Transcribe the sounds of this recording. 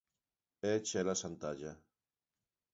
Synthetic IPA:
et͡ʃɛlasant̪aʒa

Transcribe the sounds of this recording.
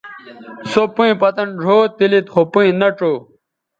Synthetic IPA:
sopũĩpɐt̪ɐnɖʱoːt̪ilit̪χopũĩnɐʈ͡ʂo

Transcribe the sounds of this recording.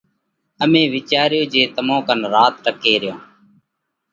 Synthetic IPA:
əmẽːʋɪːt͡ʃaːɾɪjoːd͡ʒeːt̪əmõːkənɾaːt̪ʈəkeːɾɪjõː

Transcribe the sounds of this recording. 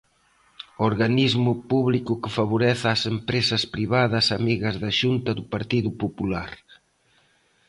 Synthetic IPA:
oɾɣanizmʊpuβlikʊkɪfaβoɾɛθɐːsempɾesɐspɾiβaðɐsamiɣɐzðɐʃunt̪ɐðʊpaɾt̪iðʊpopulaɾ

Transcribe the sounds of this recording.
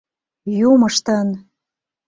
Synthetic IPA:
juməʃt̪ən

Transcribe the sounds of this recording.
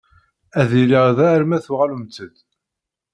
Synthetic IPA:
æðiliʁðæɾmæθʊʁalumt͡sːəd̪

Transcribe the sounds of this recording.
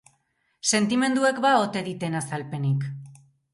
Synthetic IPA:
se̞nt̪ime̞nd̪ue̞kbao̞t̪e̞ðit̪e̞nasalpe̞nik

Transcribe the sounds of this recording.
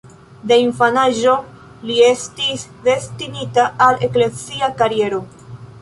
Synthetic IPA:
deinfanaʒo̞ | liestisde̞stinitaaleklesiakaɾie̞ɾo̞

